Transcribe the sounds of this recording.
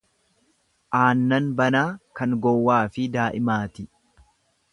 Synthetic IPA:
ʔaːnːɐnbɐnaːkɐŋɡɔwːaːfɪd̪aːʔɪmaːt̪ɪ

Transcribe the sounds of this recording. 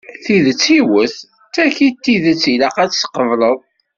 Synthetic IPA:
θiðət͡sːiwəθ | tːæçit̪ːiðət͡sːilæqæt͡sːsqəvlˤəðˤ

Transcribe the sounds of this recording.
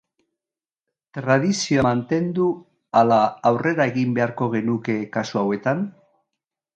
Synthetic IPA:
t̪ɾaðisioamant̪e̞nd̪u | alaːwrʔe̞ɾae̞ɣimbe̞aɾko̞ɣ̞e̞nuke̞kasuawe̞t̪an

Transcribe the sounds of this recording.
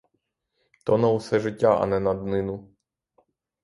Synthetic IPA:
t̪ɔnɐwʊsɛʒɪtʲːaʔɐ̰nɛnɐd̪nɪnʊ

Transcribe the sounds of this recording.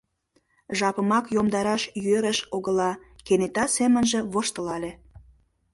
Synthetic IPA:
ʒɑpə̆mɑkjomd̪ɑɾɑʃjøɾə̆ʃoɣə̆lɑkenet̪ɑsemənʒĕβoʃt̪ə̆lɑlʲe

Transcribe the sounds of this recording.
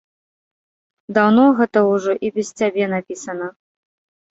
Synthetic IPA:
d̪awnɔɣɛt̪ɐuʐɔʔibʲɛst͡sʲabʲɛnapʲisɐnɐ

